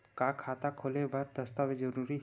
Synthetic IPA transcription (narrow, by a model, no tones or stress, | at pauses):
kakʰat̪akʰolebaɾd̪əst̪awed͡ʒəɾuɾi